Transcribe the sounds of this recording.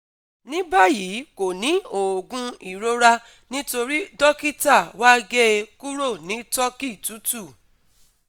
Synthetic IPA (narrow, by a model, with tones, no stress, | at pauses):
nĩ˦ba˦˨ji˨˦ko˨nĩ˨˦o˨ɡũ˧i˨ɾo˧ɾa˧ | nĩ˦to˧ɾi˦dɔ˦ki˦ta˦˨wa˦ɡe˦ku˦ɾo˦˨nĩ˨˦tɔ˦ki˦˨tu˨˦tu˦˨